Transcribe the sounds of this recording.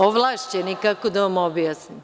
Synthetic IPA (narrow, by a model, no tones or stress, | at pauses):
oʋlˠaːʃt͡ɕenikakod̪aʋamobjaːsnim